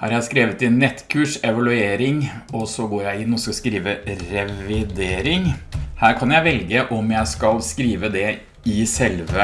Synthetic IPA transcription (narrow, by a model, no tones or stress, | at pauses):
hæ̰ɾjæɪskɾeːʋət̪ɪnːɛt̪ːkʰʉːʂɛʋɑlʉeːɾɪŋɔsɔɡoːɾjæɪɪnːɔsɑskɾiːʋəɾɛʋɪd̪eːɾɪŋhæːɾkʰɑnjæɪʋɛlɡəʔɔmjæɪskɑlskɾiːʋəd̪ɛ | ɪsɛlʋə